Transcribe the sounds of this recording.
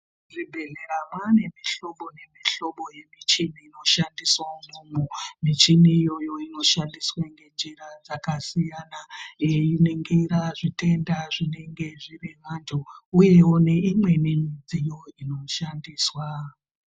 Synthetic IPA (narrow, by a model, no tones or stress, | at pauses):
ʐibʱe̞ɮe̞ɾamwane̞miɬo̞ɓo̞ne̞miɬo̞ɓo̞je̞mit͡ʃiniːno̞ʃandiswamumumit͡ʃiniːjo̞jo̞ino̞ʃandiswaŋɡe̞nd͡ʒiɾad͡zakasijanaineŋɡeiɾaʐite̞ndaʐine̞ŋɡe̞ʐiriɦantʰuuje̞wone̞imwe̞ninid͡zijo̞ino̞ʃandiːswa